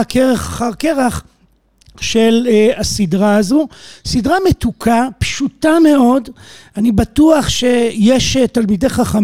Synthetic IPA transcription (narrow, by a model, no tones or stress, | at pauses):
keʁeχaχaʁkeʁaχ | ʃe̞lasidʁaazosidʁame̞tukʰapʃutame̞o̞danibatuaχʃe̞jeʃetalmide̞jχaχam